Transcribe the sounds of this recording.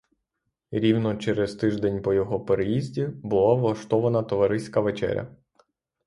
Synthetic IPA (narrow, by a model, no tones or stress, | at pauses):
ɾʲiwnɔt͡ʃɛɾɛzt̪ɪʒd̪ɛnʲpɔjɔɦɔpeɾejizʲdʲibʊlˠaʋlˠɐʃt̪ɔʋɐnɐt̪ɔʋɐɾɪsʲkɐʋet͡ʃɛ̰ɾʲɐ̰